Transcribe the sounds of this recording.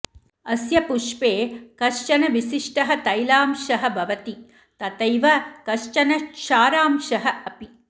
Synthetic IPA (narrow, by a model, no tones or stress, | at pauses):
ɐsjɐpuʂpeːkɐʂt͡ʃɐnɐʋiʃiʂʈɐɦɐt̪ɐjlaːmʃɐɦɐ̆bʱɐʋɐt̪i | t̪ɐt̪ɐjʋɐkɐʂt͡ʃɐnɐʃaːɾaːmʃɐɦɐɐpi